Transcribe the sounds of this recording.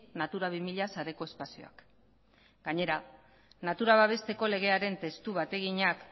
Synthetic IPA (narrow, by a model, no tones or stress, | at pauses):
nat̪uɾaβ̞imiʎasaɾe̞ko̞e̞spasio̞̰a̰k | ɡaɲe̞ɾa | nat̪uɾaβ̞aβe̞st̪e̞ko̞le̞ɣ̞e̞aɾe̞nt̪e̞st̪uβat̪e̞ɣiɲak